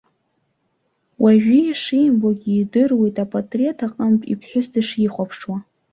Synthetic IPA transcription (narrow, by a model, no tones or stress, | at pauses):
wʔaʒᶣijaʂijmboɡʲiːdɨrwejtʼapʼatʼrietʰaqʼəmpʼḭpʰħʷᶣʊsdɨʂiχʷapʰʂwa